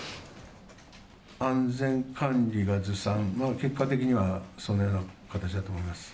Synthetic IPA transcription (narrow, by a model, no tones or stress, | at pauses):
ãnd͡zẽ̞ŋkʰãnɾʲiɡazɨsãŋmake̞kːat̪e̞kʲiɲ̟iβaso̞nːojo̞ːnakat̪at͡ɕid̪at̪oːmoimasɨ̥